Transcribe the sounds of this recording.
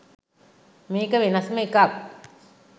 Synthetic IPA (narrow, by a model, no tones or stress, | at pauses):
miːkəʋenasməikak